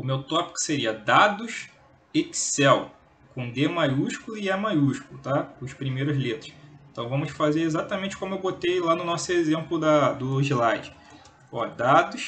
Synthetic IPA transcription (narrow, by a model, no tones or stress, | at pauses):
ʊmewt̪ɔpi̥kʊ̥seɾiɐd̪ad̪ʊʃ | eki̥sɛw | kõd̪emajuʃkulʊiamajuʃkulʊt̪aʊʃpɾimejɾʊzlet̪ɾʊ̥sẽt̪ɐ̃w̃vɐ̃mʊsfazeɾezat̪ɐmẽnt͡ʃɪ̥kõmʊewbot̪ejlanʊnɔsʊezẽmplʊd̪ɐd̪ʊʒilajd͡ʒɪ | ɔd̪ad̪ʊʃ